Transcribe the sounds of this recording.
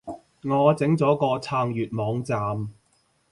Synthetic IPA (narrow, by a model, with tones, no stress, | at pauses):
ŋɔː˨˧t͡sɪ˨˥ŋt͡sɔː˨˥kɔː˧t͡sʰaː˧ŋjyː˨t̚mɔː˨˧ŋt͡saː˨˧m